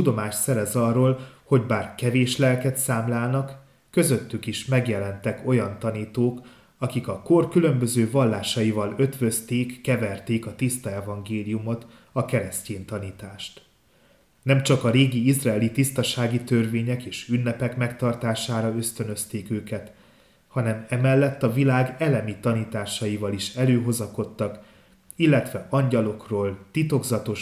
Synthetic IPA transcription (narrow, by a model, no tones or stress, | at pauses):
ud̪o̞maːʃsɛɾɛzɒrːoːlho̞ɟbaːrkɛveːʃlɛlkɛt̪saːmlaːlnɒkː | ø̞zø̞t̪ːykiʃmɛɡjɛlɛnt̪ɛko̞jɒnt̪ɒniːt̪oːk | ɒkikɒko̞rkylø̞mbø̞zøːvɒlːaːʃɒjivɒlø̞t̪vø̞st̪eːkːɛvɛrt̪eːkɒt̪ist̪ɒɛvɒŋɡeːlijumo̞t̪ | ɒkɛɾɛsceːnt̪ɒniːt̪aːʃt̪ | nɛmt͡ʃɒkɒɾeːɡiizraɛlit̪ist̪ɒʃaːɡit̪ørveːɲɛkeːʃynːɛpɛkmɛkt̪ɒrt̪aːʃaːɾɒøst̪ø̞nø̞st̪eːkøːkɛt̪ | hɒnɛmɛmɛlːɛt̪ːɒvilaːɡɛlɛmit̪ɒniːt̪aːʃɒjivɒliʃɛløːɦo̞zɒko̞t̪ːɒk | ilːɛt̪ʋɛʔɒɲɟɒlo̞kroːlt̪it̪o̞ɡzɒt̪o̞ʃ